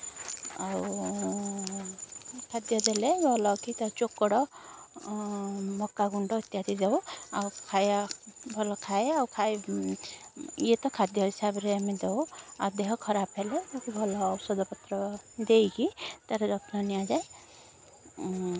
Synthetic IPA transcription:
aw | kʰad̪jɔd̪eleɡɔlɔkit̪aɾt͡ʃokːɔɽɔ | mɔkːaɡuɳɖɔːt̪jad̪id͡ʒawa̰wkʰajbʱɔlɔkʰaeawkʰaj | jet̪ɔkʰad̪jɔɦisabɔɾeamed̪ewa̰d̪eɦɔkʰɔɾapʰelebɔkubʱɔlɔːbsɔd̪ɔpɔt̪ɾɔd̪ejkit̪aɾɔd̪ɔkʰnɔnijad͡ʒaj

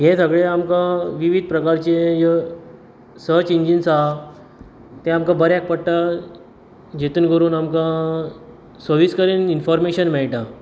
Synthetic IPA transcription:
ɦẽsəɡɭeamkãʋiʋid̪̚ʱpɾəkaɾt͡ɕejə | sət͡ɕiɲd͡ʑinsa | t̪ẽamkãbəɾɛk̚pəɽʈa | d͡ʑet̪uːnkəɾuːnamkã | səʋiskəɾiːninfɔɾmeɕənmɛɭʈã

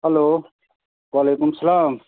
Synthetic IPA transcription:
ɦɐloː | waːleːkʊmsəlaːm

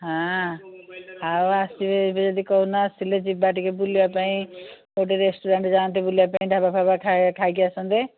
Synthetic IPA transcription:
ɦã | ɦaasibʱebed͡ʒɔd̪ikɔɦunaːsiled͡ʒibaʈikebulijapaĩ | oʈ̬eɾesʈuɾeɳʈd͡ʒaːnt̪̬ebuljapaĩɖʱabapʰabakʰakʰaiɡijasɔ̃nd̪e

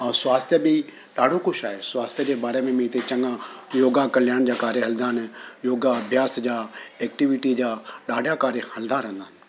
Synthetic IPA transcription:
swaːst̪ʰjəbɪ | ɗaːɖʱokʊʃaːɦesʊwaːst̪ʰijəd͡ʑeːbaːɾemẽmẽɪt̪et͡ɕɐ̃ŋɡãjoːɡakɐljaːɽ̃d͡ʑaːkaːɾjeɦɐld̪aːnjoːɡaɐbʱjaːsd͡ʑaːeːk̚ʈiʋɪʈid͡ʑaːɗaːɖʱjakaːɾjehɐld̪aɾə̃nd̪ʱaːnɪ̆

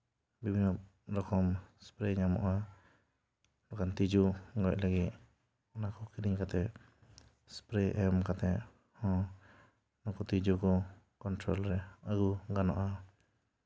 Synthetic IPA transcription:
bibʱinɔ | ɾɔkɔmspɾɛɲamɔ̰ʔa | mɔkant̪id͡ʒuɡɔc̚laɡit̪̚ | nakɔkiɾiŋkat̪ɛ | spɾɛʔɛmkat̪ɛʔ | hɔ̃ | nɔkɔt̪id͡ʒukɔ | kɔnt̪ɾɔlɾɛaɡuɡanɔ̰ʔa

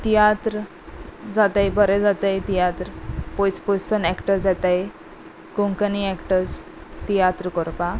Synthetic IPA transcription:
t̪ijat̪ɾ | d͡zat̪ajbəɾɛd͡zat̪ajt̪ijat̪ɾpɔjt͡spɔjsənɛkʈəɾd͡zat̪aj | koŋkəniɛkʈəɾs | t̪ijat̪ɾəkɔɾpa

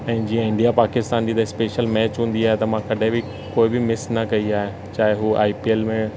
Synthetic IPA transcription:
ɛ̃ːd͡ʑiːɐ̃ɪ̃ɳɖijapaːkɪst̪aːnd͡ʑiːd̪ɐɪspeːʃəlmɛːt͡ɕɦũːn̆d̪iaːɦet̪ɐmãkɐɖʱɪ̃bɪ | koːɪbɪmɪsnɐkɐiaːɦẽ | t͡ɕaːɦɪɦuaːipieːlmẽ

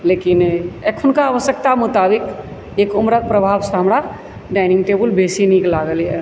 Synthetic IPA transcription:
leːkɪnekʰʊnkaːʋəsjək̚t̪amʊt̪aːbɪk | eːkʊmɾət̪̚pɾəbʱaːwsaɦɐmɾa | ɖaːɪnɪ̃ŋɡʈeːbəlbʱeːsiniːklaːɡəlɛ

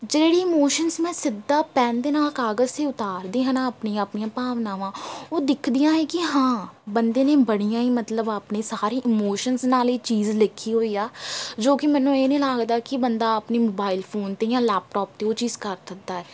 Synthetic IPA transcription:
d͡ʒeːɽiːɪmoːʃənsmɛ̃ːsɪd̪ːaːpɛ̃ːnd̪eːnaːlkaːɡəzt̪eːʊt̪aːɾd̪iːɦãːnãːəpniːãaːpnijãːpaːʋnaːʋãːoːd̪ɪkʰd̪ɪjãːɦɛːkɪɦãːbənd̪eːnẽːbəɽijãːĩːmət̪ləbaːpneːsaːɾiːʔɪmoːʃənsnaːliːt͡ʃiːzlɪkʰːiːɦoːiːaːd͡ʒoːkɪmɛ̃ːnũːeːnĩːlaːɡd̪aːkɪbənd̪aːəpniːmoːbaːɪlpʰoːnt̪eːjãːlɛːp̚ʈɔːp̚t̪eːoːt͡ʃiːzkəɾt̪ək̚d̪aːɦɛː

